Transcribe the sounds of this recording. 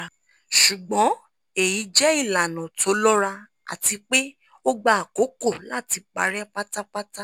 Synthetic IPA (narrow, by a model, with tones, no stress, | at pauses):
ʃu˨ɡ͡bɔ̃˨˦ | e˨ji˨˧˦d͡ʒɛ˦i˦˨la˨nɔ̃˨tʰo˨˦lɔ˦ɾa˧ | a̰˨ti˧k͡pe˦ | o˦ɡ͡ba˦a˨ko˨˦ko˦˨la˦˨ti˧˦k͡pa̰˨˧ɾɛ˦pa˦ta˦pa˦ta˦